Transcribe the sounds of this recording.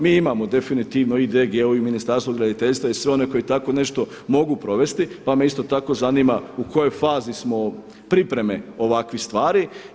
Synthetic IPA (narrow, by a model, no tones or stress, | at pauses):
miːimamo̞d̪e̞finit̪iːʋnoid̪eɡeoiminist̪aɾst̪ʋoɡɾad̪it̪eʎst̪ʋaisʋeo̞ne̞ko̞jit̪ako̞ne̞ʃt̪o̞ | mo̞ɡupɾo̞ʋe̞st̪ipame̞ist̪o̞t̪ako̞zaniːmauko̞jo̞jfaːzismo̞ | pɾipɾe̞me̞oʋakʋist̪ʋaːɾi